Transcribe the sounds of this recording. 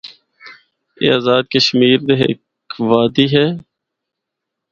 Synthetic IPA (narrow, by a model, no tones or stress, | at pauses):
ḛːaːzaːd̪̚kəʃmiːɾd̪eɦḛk | ʋaːd̪iːɦɛː